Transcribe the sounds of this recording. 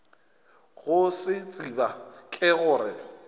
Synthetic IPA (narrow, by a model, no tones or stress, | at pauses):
ɣʊsɪt͡sʼibakʼɪɣʊːɾɪ